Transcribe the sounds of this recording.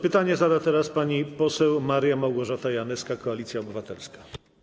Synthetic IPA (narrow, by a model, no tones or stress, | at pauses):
pɘt̪aɲɛzad̪at̪ɛɾaspaɲipɔsɛwmaɾjamawɡɔʐat̪ajanɛskakɔalʲit̪sʲjaɔbɘvat̪ɛ̰lskḁ